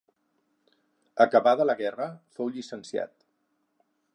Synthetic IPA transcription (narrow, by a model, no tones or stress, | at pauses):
əkəβaðələɣɛrəfowʎisənsia̰t̪